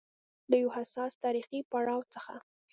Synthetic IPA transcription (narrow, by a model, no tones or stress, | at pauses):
d̪əjwhasɑst̪ɑɾixipaɽɑwt͡səxa̰